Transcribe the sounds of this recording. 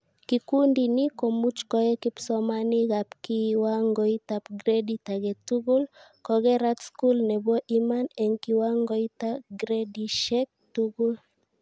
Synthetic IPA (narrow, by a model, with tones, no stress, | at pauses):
kiku˦ndi˨ni˦ko˨mu˦t͡ʃkɔ˦jɛ˦kipsɔ˦ma˦ni˦ɣa˨pki˦wa˦ŋɡɔ˨itapɡɾedita˨ɣɛ˨tu˦ɡu˦lkɔ˨ɣɛ˦ɾatsku˦lnɛ˨bɔ˦ʔi˦ma˦nɛ˨ŋki˦wa˦ŋɡɔ˦i˦ta˦ɡɾedi˨ʃɛk̚tuɡu˦l